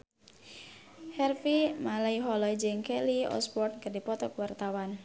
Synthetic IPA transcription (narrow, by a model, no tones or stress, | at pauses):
hɛrfimalaiɦɔlɔid͡ʒəŋkɛliɔ̰spɔt̪̚kərdipɔt̪ɔkwart̪awan